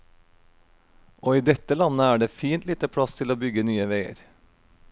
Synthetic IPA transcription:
ʔoːiːd̪ɛt̪əlɑnəæːɖeːfiːnt̪liːt̪əpʰɽɑst̪ʰɪloːbʏɡənyːəʋeɪə̰ɾ

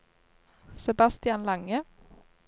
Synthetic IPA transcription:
sɛbɑst̪ɪɑnlɑŋə

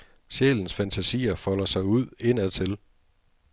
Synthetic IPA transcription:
ɕḛln̩sfænt͡sʰæsḭːɐfɒ̽l̰ɐsɑ̈ɪuð̞̰ˠe̝n̰æt͡sʰe̝l

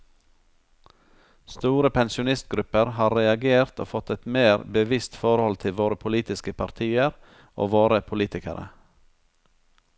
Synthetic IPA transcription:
st̪uːɾəpʰɛnsɪʊnɪst̪̚ɡɾʉpəɾhɑːɾɛɑɡeːɾt̪o̰ːfɔt̪ɛt̪meːɾbəʋɪst̪fɔɾhɔlt̪ʰɪlʋoːɾəpʰʊliːt̪ɪskəpʰɑɾt̪ʰiːəɾ | ʔo̰ːʋoːɾəpʰʊliːt̪ɪkə̰ɾʔə̰

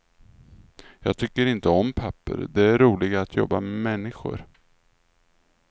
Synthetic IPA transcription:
jɑːɡ̚t̪ʰʏkːəɾɪnt̪əɔmpʰapːə̰ɾd̪ɛæɾːuːlɪɡaːt̪ʰjɔbːamɛmɛnːɪɧʊ̰ɾ

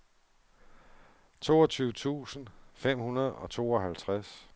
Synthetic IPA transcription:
t͡sʰo̝ːɒt͡sʰyːʊət͡sʰṵːsən̩fem̰hunɐð̞ˠɒ̽t͡sʰo̝̰ːɒɦælt͡sʰʁas

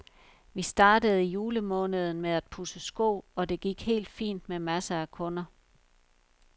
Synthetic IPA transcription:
ʋisd̥ɑ̈ːdəð̞̩ˠijuːləmɔ̽ːnəð̞ˠn̩meæd̥̚pʰusəsɡ̥ɔ̰ːɒ̽d̥e̝ɡ̥iɡ̥he̝̰ːld̥fḭːnd̥̚memæsəækʰɔ̽nɐ

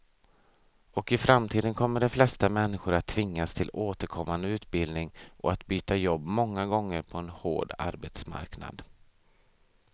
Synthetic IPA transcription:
ɔkɪfɾamt̪ʰiːd̪ənkʰɔmːəɖɛflɛst̪amɛnːɪɧʊɾat̪ʰːvɪŋːast̪ʰɪloːt̪əɾkʰɔmːand̪əʉ̟ːt̪̚bɪld̪nɪŋʔɔ̰at̪byːt̪ajɔbːmɔŋːaɡɔŋːəɾpʰɔɛnho̰ːɖa̰ɾbet̪sma̰ɾkna̰d̪

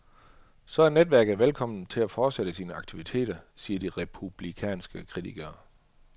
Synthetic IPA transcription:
sɒ̽æɐned̥ʋæɐ̰ɡ̥ð̩ˠʋelkʰɒ̽m̰n̩t͡sʰe̝læfɒːd̥seɾ̥əsiːnəɑ̈ɡ̥̚t͡sʰiʋit͡sʰe̝̰ːd̥ɐsiːɐd̥iʁɛpʰub̥likʰɛ̰ːnsɡ̥əkʰʁit͡sʰiɡ̥ɐː

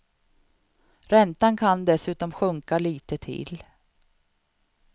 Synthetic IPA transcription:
ɾɛnt̪ankʰand̪ɛsʉ̟ːt̪ɔmɧɵŋkaliːt̪ət̪ʰɪ̰l

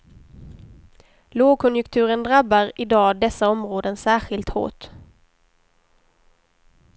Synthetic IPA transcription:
loːɡ̚kʰɔnjɵkt̪ʰʉ̟ːɾənd̪ɾabːaɾɪd̪ɑːd̪ɛsːaɔmɾoːd̪ənsæːɧɪlt̪ho̰ːʈ

